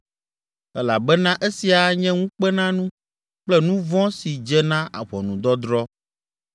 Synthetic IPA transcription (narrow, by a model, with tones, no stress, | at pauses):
ɛ˦la˨bɛ˦nã˦ʔe˦si˨a˨ɲɛ̃˦ŋũ˦k͡pɛ˦nã˦nũ˦ | k͡plɛ˦nũ˦vɔ̃˦si˨d͡ʒɛ˦nã˦a̰˨βɔ˨nũ˨d̪ɔ˦d̪ɾɔ˦